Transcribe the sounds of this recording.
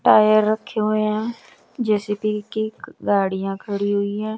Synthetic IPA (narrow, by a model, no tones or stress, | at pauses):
ʈaːjəɾːəkʰːeːɦoeɛ̃ː | d͡ʒeːsiːpikiɡaːɽijãːkʰəɽiːɦoiːɛ̃ː